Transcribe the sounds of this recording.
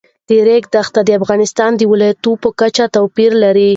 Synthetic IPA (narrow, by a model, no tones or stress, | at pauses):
d̪̥əɾeɡd̪axt̪ad̪əafɣɑnɪst̪ɑnd̪əwɪlɑjat̪upəkat͡ʃat̪awpiɾlaɾi